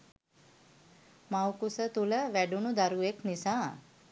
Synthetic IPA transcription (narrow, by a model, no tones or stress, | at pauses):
mawkusət̪uləʋæɖunud̪aɾueknisaː